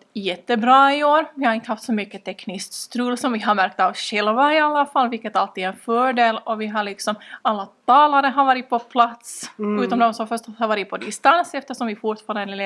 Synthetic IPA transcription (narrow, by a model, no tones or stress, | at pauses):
jɛt̪ːəbɾɑːɪoːɾvɪhaɾɪnt̪əɦaft̪sɔmʏkːət̪ʰɛknɪskst̪ɾʉːlːsɔmvɪɦaɾmæɾk̚t̪avɕɛlvaɪalːafalːvɪlkːət̪alt̪ːiːd̪ɛnfœːɖeːlɔvɪɦaɭɪksɔmalːat̪ʰɑːlaɾəɦaɾvɑːɾɪt̪̚pʰɔpʰlat̪sʉːt̪ɔmd̪ɔmsɔmfœʂʈhaɾvɑːɾɪt̪pʰɔd̪ɪst̪ansɛft̪əʂɔmvɪfʊʈ̪fɑːɾanl